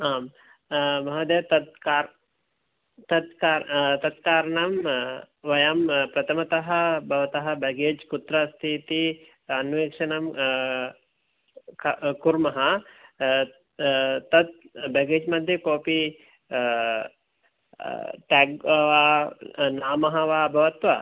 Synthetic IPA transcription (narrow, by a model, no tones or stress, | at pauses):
aːm | mɐɦɐd̪et̪ɐt̪̚kaː | t̪ɐt̪kaːt̪ɐt̪kaːɾɐɳɐm | ʋɐjampɾɐt̪ʰɐmɐt̪ɐɦɐbʱɐʋɐt̪ɐɦɐbɛɡeːd͡ʒkut̪ɾast̪ʰit̪i | ɐnʋeːkʂɐnɐm | kkuɾmɐɦɐ | t̪ɐt̪̚ | bɛɡeːd͡ʒmɐd̪ʱjɐkoːpi | ʈɛɡʋaːnaːmɐɦɐʋaːbʱɐʋɐt̪ʋɐ